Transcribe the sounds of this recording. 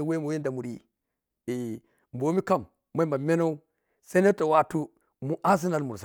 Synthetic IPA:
we˦mu˨we˦nda˨mu˨ɾi˦ | e˨ | mbo˨˦mi˦ka˦˨mː | a˦mba˨me˦na˦u˦ | sa˦n˦e˦ta˨wa˦tu˦ | mu˨ʔa˦s̬i˦na˨lmu˨ɾs

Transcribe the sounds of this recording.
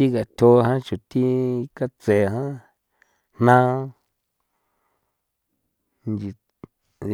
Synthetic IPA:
i˦ka˨t̪ʰʲo˧ɦã˦t͡ʃu˨t̪i˦ka˦t͡se˨ɦã˦ | n̥nã˦ | nd͡ʒi˨

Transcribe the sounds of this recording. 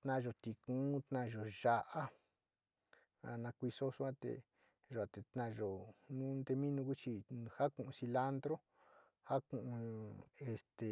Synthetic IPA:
t̪nã˦˧ʒo˨˧t̪i˨kũː˦t̪nã˦˧ʒo˨ʒa˧ʔa˦ | a̰˧nã˧kʷi˧so˦su˦ã˦t̪ḛ˧ | ʒa˨t̪e˨t̪nã˧˨ʒo˨nũ˦nd̪e˧mĩ˦nũ˧ku˦t͡ʃi˧ha˦kũ˧˨ʔũ˧si˧la˦nd̪ɾo˦ | ha˦kũ˨ʔũ˧e˧st̪e˨

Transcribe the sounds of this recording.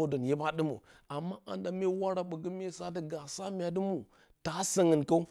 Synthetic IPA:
də˨nje˦ba˦ɗə˦mṵ˨a˨mːa˦a̰˨nda˨me˦wa˦ɾa˨ɓə˨ɡə˦me˦sa˦də˦ɡa˨sa˦mʲ˦a˨dɨ˦mu˨ | ta˨˦sə˦ŋə˨nka˦u˦

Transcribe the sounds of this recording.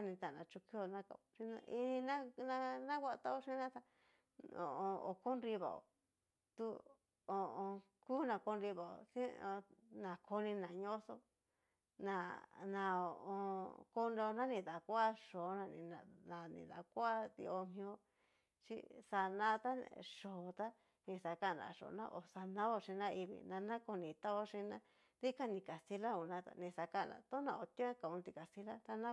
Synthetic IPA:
a˦nĩ˧t̪a˨nã˨˧t͡ʃu˧ki˦o˧nã˦ka̰˧˨t͡ʃi˧n˧i˧nĩ˧nã˦nã˧nã˦kʷa˦˧t̪a˦o˦ʂĩ˦nã˦t̪a˧ | õ̰˨õ˧o˨ko˦nɾi˧βa̰˨o̰˨ | t̪u˦ | o˧õ˧ | ku˦nã˧ko˧nɾi˧βa˨o̰˨sĩ˦o˧nã˨kʰo˧nĩ˧nã˨ɲõ˦so˧ | nã˧˨nã˧o˨˧˨õ˧ko˧˦nɾe˧o˧nã˦nĩ˧ða˨kʷa˦ʂo˨˦nã˧nĩ˧nã˨nḭ̃˨ða̰˨kʷːt̪ḭ˧o˧mĩ˧õ˧ | t͡ʃḭ˦sa˧nã˦t̪a˦ʂoː˨t̪a˦ | nĩ˧sa˧ka˦˨nã̰˨ʂo̰˨˧nã̰˦ʔo˨sa˧nã˦o˧ʂĩ˧nã˦i˧βḭ˧nã˧nã˦ko˧nĩ˨t̪a˦o˦ʂĩ˧nã˦ | d̪i˦ka˦nĩ˧˨ka˨si˧la˦u˨nã˧t̪a̰˧nĩ˧sa˧ka˦˨nã̰˨˧t̪o˦nã̰˧˨o˧t̪i˦ka˨ũ˧t̪i˧ka˨si˦la˦t̪a˦nã˦

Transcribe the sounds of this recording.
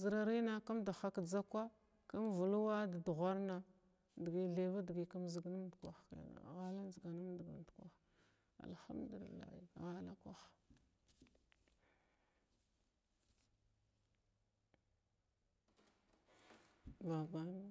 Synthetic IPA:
zə˨ɾa˨ɾi˦na˦ka˦mda˨xa˦kd͡za˦kʷa˦ | ka˦mvu˨lu˦wa˦da˨du˨ɣʷa˦ɾna˦ | di˨ɡi˨ɮe˨va˦di˨ɡi˨ka˦mzi˨˦ɡnu˦mdkʷa̰˨xa̰˨ɣa˦la˦n˦zi˨ɡa˨na˦mdɡa̰˨ndkʷa̰˦˨x | a̰˨lxa̰˦mdu˨lḭ˨lːa̰˨hi˨ɣa˦la˦kʷa˦x | ba˨ba˨na˦

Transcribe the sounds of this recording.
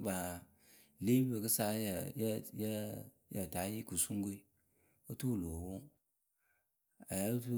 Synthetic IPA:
ba˨ | le˦be˨kɨ˦sa˦ja˨jja˦ | ja̰˨ta˨˦ji˦ku˨su˦ŋ˦ɡu˦i˦ | o˦tu˦˨lo˨wo˦ | a˨ja˦tu˦

